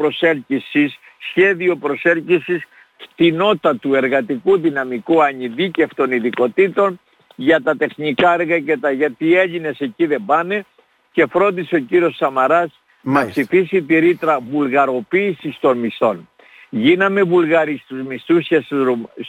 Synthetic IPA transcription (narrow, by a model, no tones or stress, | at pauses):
pɾo̞se̞ɾcisisː | çe̞ðio̞pɾo̞se̞lcisis | kt̪ino̞t̪ɐt̪ue̞ɾɣɐt̪ikuðinɐmikuɐɲiðice̞ft̪o̞niðiko̞t̪it̪o̞n | ʝɐt̪ɐt̪e̞xnikɐeɾɣɐce̞t̪ɐʝɐt̪ie̞ʎine̞se̞ciðe̞bɐne̞ | ce̞fɾo̞nd̪iseo̞ciɾio̞ssɐmɐɾɐs | nɐpsifisit̪iɾit̪ɾɐvulɣɐɾo̞piːsist̪o̞nmist̪o̞n | ʝinɐme̞vulɣɐɾist̪uzmist̪usçes